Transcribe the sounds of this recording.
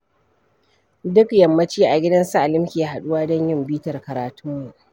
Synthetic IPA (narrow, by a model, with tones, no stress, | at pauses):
dʊ˦kjɐ˨mːɐ˦t͡ʃiː˦ʔa˨ɡʲɪ˦dɐ˦nsa˦ʔa˨lɪ˦mkʲi˨a˨ha˨ɗʊ˦waː˦dɔ˦ɲjɪ˦˨mbiː˦tɐ˨rkɐ˨ɾaː˨tʊ˦mːu˨ʔ